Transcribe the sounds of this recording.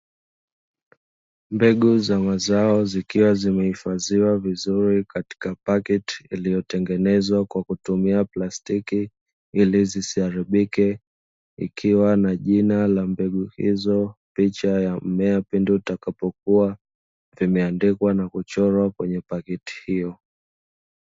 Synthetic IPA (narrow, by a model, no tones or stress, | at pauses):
mbɛɠuzamazaɔzikiwazimɛhifaziwavizuɾikati̥kapakɛti̥ilijɔtɛŋɡɛnɛzwakwakutumiaplastiki | ilizisiaɾiɓikɛ | ḭkʰiwanaʄinalambɛɠuhḭzɔpit͡ʃajamɛapindutakapɔk̚ua | vimɛandikwanakut͡ʃɔɾwakwɛɲɛpakɛti̥hijɔ